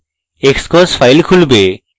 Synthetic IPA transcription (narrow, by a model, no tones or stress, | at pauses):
ekskɔsfaɪlkʰulbeː